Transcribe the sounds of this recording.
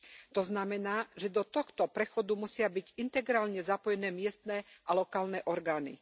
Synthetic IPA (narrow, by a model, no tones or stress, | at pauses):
t̪ɔznamɛnaːʒɛd̪ɔt̪ɔxt̪ɔpɾɛxɔd̪umusɪabiɟint̪ɛɡɾaːlɲɛzapɔjɛnɛːmɪɛst̪nɛːʔalɔkaːlnɛːʔɔɾɡaːnḭ